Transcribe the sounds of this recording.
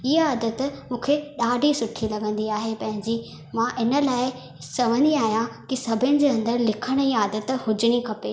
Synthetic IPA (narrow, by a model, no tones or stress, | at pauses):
iɦaːd̪ət̪mũːkʰeɗaːɖʱisʊʈʰilɐɠə̃nd̪iaːɦepɐ̃ɦɪ̃ɲd͡ʑi | mãʔɪnə̆laːɪ | sɐʋə̃nd̪iaːɦijãkisɐbʱɪñɪ̆d͡ʑeːɐ̃nd̪əɾlɪkʰəɽ̃iːaːd̪ət̪hʊd͡ʑɪɽ̃ikʰɐpeː